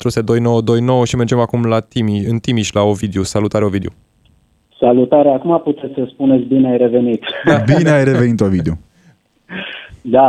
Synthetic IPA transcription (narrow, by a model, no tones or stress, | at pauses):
t̪ɾused̪o̞jno̞wəd̪o̞jno̞wəʃime̞rd͡ʒe̞makumlat̪imiɨnt̪imiʃʲlaovid̪eusalut̪aɾeovid̪eo | salut̪aɾeakumaput̪et̪sʲsəspunet̪sʲbineajɾe̞venit̪bineajreve̞nit̪ovid̪eo | d̪a